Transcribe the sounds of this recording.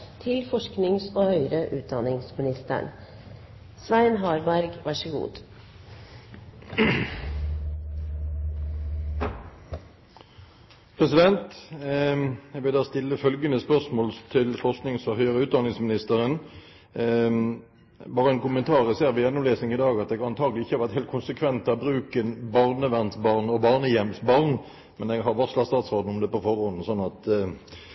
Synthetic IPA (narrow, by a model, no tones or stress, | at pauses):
t̪ʰɪlfɔʂknɪŋsoːhœʏɾəʔʉːt̪̚d̪ɑnɪŋsmɪnɪst̪ə̰ɳ | sʋæɪnɦɑːɾbæɾɡʋɑʂəɡṵːd̪ | pʰʁɛsɪd̪ɛnt̪ | ɛʋɪld̪ɑːst̪ɪlːəfœlɡənəspœʁsmoːlt̪ʰɪlfɔʁsknɪŋsɔɦœʏʁəʉːt̪d̪ɑnɪŋsmɪnɪst̪əʁən | bɑːʁəɛnkʊmənt̪ʰɑːʁəseːʁɾʋɪjɛnːʊmleːsnɪŋɪd̪ɑːɡɑt̪̚ɛɡɑnt̪ʰɑːɡlɪɪçːəhɑɾʋæt̪heːlkʰʊnsəkʰʋɛnt̪ɑbʁʉːkənbɑʁnəʋæʁnsbɑʁnɔbɑːʁnəjɛmsbɑʁn | mɛnɛɡɦɑʁʋɔʁslɑtst̪ɑːt̪sʁoːd̪n̩ʊmd̪ɛːpɔfɔʁɔnn̩sɔnːɑt̪